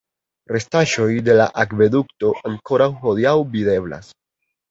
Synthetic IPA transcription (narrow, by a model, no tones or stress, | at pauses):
ɾe̞staʃo̞jde̞la̰ʔakve̞dukto̞ʔaŋko̞ɾawhodiawbide̞bla̰s